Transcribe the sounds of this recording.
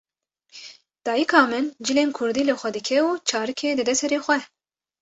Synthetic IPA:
d̪̥ɑːjikʰɑːmɨnd͡ʒɨleːnkʰʊɾd̪iːlɨxʷɛd̪ɨkʰɛuːt͡ʃʰɑːɾɨkʰeːd̪ɨd̪ɛsɛɾeːxʷɛ

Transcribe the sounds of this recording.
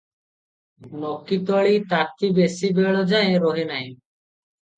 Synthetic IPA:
nɔkit̪ɔɭit̪at̪ʰibesibeɭɔd͡ʒaẽɾɔɦenaj̃

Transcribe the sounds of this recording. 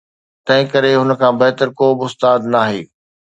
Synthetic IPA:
t̪ɐ̃ɦɪ̃kɐɾeɦʊnə̆kʰãːbɛɦt̪əɾkoːbɪʊst̪aːd̪naːɦḛː

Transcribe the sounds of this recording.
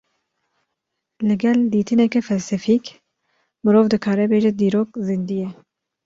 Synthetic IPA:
lɨɡɛld̪iːt̪ɨnɛkɛfɛlsɛfik | mɨɾoːvd̪ɨkʰɑːɾɛbeːʒɛd̪iːɾoːkzɨnd̪ijɛ

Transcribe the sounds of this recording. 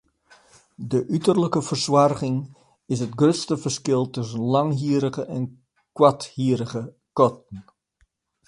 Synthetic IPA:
dəʔytərləkəvərswarχɪŋ | ɪs̬ətɡrøstəfərskɪlˠtɵsənlɑŋɦiəɾəχəʔɛn | kwathiːɾəɣə | kɔtən̩

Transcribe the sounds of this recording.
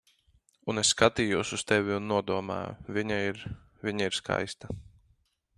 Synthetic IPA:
unesskat̪iːjuɔsust̪ɛvʲiunːuɔd̪uɔma̰ːjṵvʲiɲaiɾ | vʲiɲaiɾskʰa̰jst̪a

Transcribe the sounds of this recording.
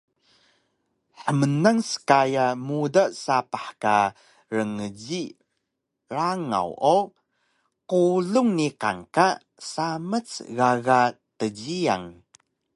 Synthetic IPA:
ħəmənaŋsə̥kajamudasapaħka | ɾəŋəɟi | ɾaŋa̰wo | quɮuŋniqa̰ŋka | samət͡sɣaɣatəɟia̰ŋ

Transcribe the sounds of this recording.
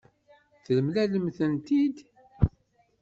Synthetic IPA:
θləmlæləmθənt̪id̪

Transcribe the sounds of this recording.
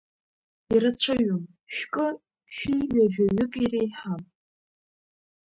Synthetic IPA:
irat͡ɕʷʰaɥom | ʃᶣkʼɨ | ʃʷᶣiɥaʒᶣaɥʏkʼirejħam

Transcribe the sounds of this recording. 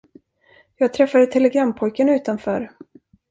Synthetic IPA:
jɑːɡ̚t̪ʰɾɛfːad̪ət̪ʰɛlɛɡɾamːpʰɔjkənʉ̟ːt̪anfœːɾ

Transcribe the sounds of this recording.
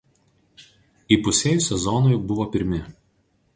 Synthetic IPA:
iːpʊsʲeːjuˑsʲɛzɔnojbʊʋoːpʲɪɾʲmʲɪ

